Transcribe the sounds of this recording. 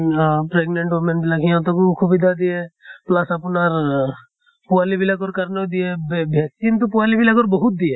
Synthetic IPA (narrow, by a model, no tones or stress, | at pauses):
pɾeɡnẽɳʈomenbɪlakijãt̪okukʰubid̪ad̪ieplasapnaɾ | pualibilakoɾkəɾned̪iebbʱɛksint̪upualibilak̬oɾbɔɦut̪̚d̪ie